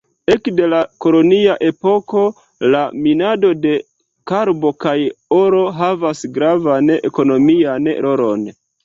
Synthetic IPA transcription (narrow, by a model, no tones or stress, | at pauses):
e̞kde̞lako̞lo̞niaʔe̞po̞ko̞ | laminado̞de̞ | kaɾbo̞kajo̞ɾo̞ɦavasɡɾavane̞̰ko̞no̞mianɾʔo̞ɾo̞n